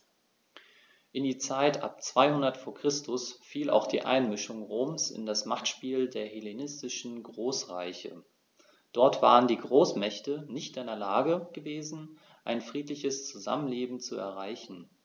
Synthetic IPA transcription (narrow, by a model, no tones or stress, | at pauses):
ʔɪndiːt͡saɪtʔa̰p̚t͡sv̥aɪhʊndɐtfoːɐkʁ̥ɪstʊsfiːla̰ʊxd̥ḭːʔa̰ɪnmɪʃʊŋʁoːmsɪ̰ndasmaχtʃpiːldeːɐhelenɪstɪʃn̩ɡʁoːsʁa̰ɪçə̰ | d̥ɔɐtv̥a̰ːʁəndiːɡʁoːsmɛçtənɪçtadeːɐlaːɡəɡ̥əveːzn̩ | ʔaɪnfʁ̥iːtlɪçəst͡suza̰mənleːbm̩t͡suɛ̰ɐʁaɪçn̩